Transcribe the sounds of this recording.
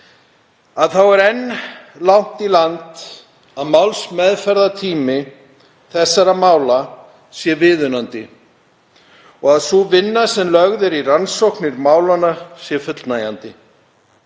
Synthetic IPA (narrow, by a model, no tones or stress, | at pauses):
aðθawɛɾɛnːlawn̥t̪ilant̪ | aðmawlsmɛðfɛɾðat̪ʰiːmɪ | θɛsːaɾamaːwla | sjɛvɪːðʏnant̪ɪ | ɔɣaðsuvɪnːasɛmlœɣðɪɾiransowhknɪɾmaːwlanasjɛfʏt̪lnaja̰nt̪ɪ